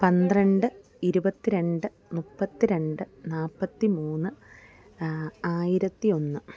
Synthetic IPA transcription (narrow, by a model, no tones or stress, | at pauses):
pɐnd̪rɐɳɖɨ | iɾubɐt̪ːiɾe̞ɳɖɨ | mupːɐt̪ːiɾe̞ɳɖɨnaːpːɐt̪ːimuːnːɨ | aːjiɾɐt̪ːio̞nːɨ